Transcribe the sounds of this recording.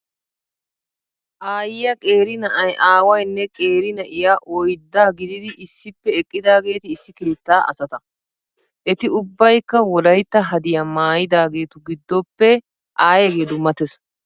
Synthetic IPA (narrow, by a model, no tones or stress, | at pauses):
ʔaːjɪjɐkʼe̞ːɾɪnɐʔɐjʔaːwɐjnːɛkʼe̞ːɾɪnɐʔɪjaʔɔjd̪ːaːɡɪd̪ɪd̪ɪʔɪsːɪpːɛɛkʼːɪd̪aːɡe̞ːt̪ɪːsːɪke̞ːt̪ːaːʔɐ̰sɐt̪ɐ | ʔɛt̪ɪʊbːɐjkːɐwɔlɐjt̪ːɐɦɐd̪ɪjamaːjɪd̪aːɡe̞ːt̪ʊɡɪd̪ːɔpːɛ | ʔaːjɛɡeːd̪ʊmɐt̪ɛs